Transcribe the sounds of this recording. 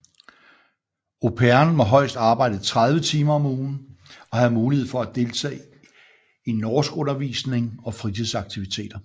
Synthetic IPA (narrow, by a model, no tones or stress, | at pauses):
o̝pʰeɐnmɒ̽ɦɒ̽ɪ̰sd̥ɑ̈ːb̥ɑ̈ɪ̰d̥ðt͡sʰʁɑ̈ð̞ˠʋət͡sʰiːmɐɒ̽muːn̩ɒ̽hæðˠmuːlihe̝ð̰ˠfɒ̽æd̥e̝lt͡sʰɛ̰ː | inːɒːsɡ̥ɔ̽nɐʋḭːsne̝ŋɒ̽fʁit͡sʰiðˠsɑ̈ɡ̥̚t͡sʰiʋit͡sʰe̝̰ːd̥ɐ